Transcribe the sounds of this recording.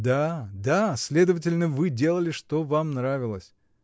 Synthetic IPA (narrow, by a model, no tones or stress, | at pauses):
d̪ad̪asʲlʲe̞d̪əvətʲɪlʲnəvɨdʲe̞lˠəlʲɪʂt̪o̞vamnɾavʲɪlˠəsʲ